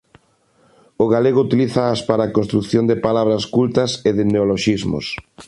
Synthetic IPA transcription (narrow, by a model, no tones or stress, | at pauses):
oɣaleɣout̪iliθaːspaɾaːkonst̪ɾukθjond̪ɪpalaβ̞ɾɐskult̪ɐseðɪneoloʃizmo̰s